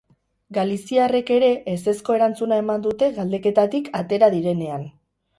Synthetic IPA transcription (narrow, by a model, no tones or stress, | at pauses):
ɡalisiare̞ke̞ɾe̞ʔːse̞sko̞e̞ɾant͡sunae̞mand̪ut̪e̞ɣald̪e̞ke̞t̪at̪ikʰat̪e̞ɾaðiɾe̞ne̞an